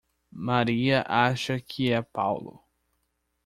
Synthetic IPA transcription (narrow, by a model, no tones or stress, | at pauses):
maɾiɐʔaʃɐkʰɪɛpawlʊ̰